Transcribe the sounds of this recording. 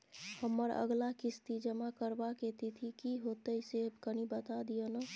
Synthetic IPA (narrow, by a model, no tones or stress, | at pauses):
həmːəɾə̰ɡlakist̪id͡ʒəmakəɾbaket̪it̪ʰikiɦot̪əisekənibət̪ad̪ijənə